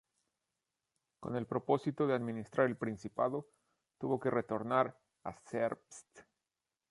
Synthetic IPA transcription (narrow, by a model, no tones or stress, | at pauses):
ko̞̰ne̞lpɾo̞po̞sit̪o̞ðeaðmĩnist̪ɾʔaɾe̞lpɾinsipa̰ðo̞ | t̪uβo̞ke̞re̞t̪o̞ɾnaɾ | a̰seɾpst̪